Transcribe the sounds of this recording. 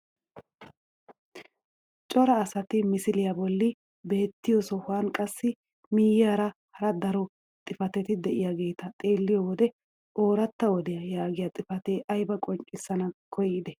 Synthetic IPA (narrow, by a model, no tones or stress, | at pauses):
t͡ʃʼɔɾɐːsɐt̪ɪmɪsɪlɪjɐbɔlːɪ | be̞ːt̪ːɪjɔsɔhʊaːnkʼɐsːɪ | miːjːaɾɐhɐɾɐd̪ɐɾɔ | t̪ʼɪfɐt̪ɛt̪ɪd̪ɛʔɪjaɡe̞ːt̪ɐt̪ʼe̞ːlːɪjɔwɔd̪ɛ | ʔo̞ːɾɐt̪ːɐwɔd̪ɛjɐjaːɡɪjɐt̪ʼɪfɐt̪eːʔɐjbɐkʼɔŋt͡ʃʼːɪsːɐnɐkʰɔjːɪd̪ɛ